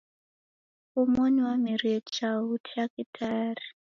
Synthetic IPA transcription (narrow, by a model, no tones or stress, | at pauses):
umɔniwamiɾiɛt͡ʃautʰiakitʰaːri